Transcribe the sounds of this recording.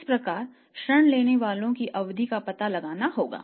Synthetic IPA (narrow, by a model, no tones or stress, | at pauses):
ɪspɾɐkaːɾ | ʃɾəɳ̃leːneʋaːlõkiʔɐʋd̪ʱikapɐt̪alɐɡaːnaɦoːɡa̰ː